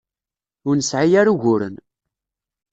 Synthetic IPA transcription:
ʊɾnəsʕijaɾuʝʊɾə̰n

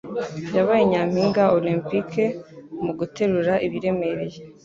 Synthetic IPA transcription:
jaβajeɲam̥hiːŋɡaoliːmpikʰemuɡutʰe̞ɾuɾaʔiβiɾe̞me̞ɾeje

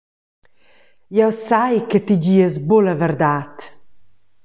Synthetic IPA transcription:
jɛwsajkət̪id͡ʑiəzboləvəɾd̪at̪

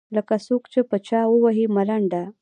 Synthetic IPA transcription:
ləkasokt͡ʃepət͡ʃawəwaɦimaɾaɳɖa

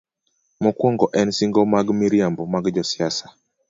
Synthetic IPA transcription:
mɔkwɔŋɡɔʔɛnsiŋɡɔmaɡmiɾiambɔmaɡd͡ʒɔsiasa

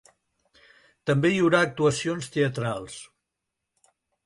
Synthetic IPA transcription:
t̪əmbejəwɾaːk̚t̪uəsionst̪eət̪ɾalˠs

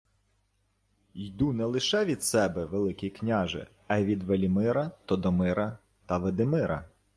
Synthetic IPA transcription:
jd̪unɛlˠɪʃɛʋʲid̪sɛbɛʋelˠɪkʲiknʲaʒɪ̰ | ɐjʋʲid̪ʋelʲimɪɾɐt̪ɔd̪ɔmɪɾɐ | t̪ɐʋed̪ɪmɪɾɐ̰

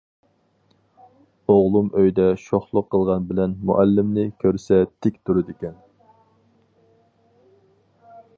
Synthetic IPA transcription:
oʁlˠumʔøjd̪ɛʃoχlˠʊqʰːəlˠʁɑnbɪlɛnmṵʔælːɪmnɪkʲʰøɾsɛt̪ʰɪkʲt̪ʰuɾɨd̪ɪkʲɛn

